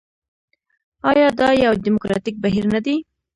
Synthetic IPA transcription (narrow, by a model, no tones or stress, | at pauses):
ɑjɑd̪ɑjawd̪imokɾɑ̰t̪ik̚baɦiɾnad̪i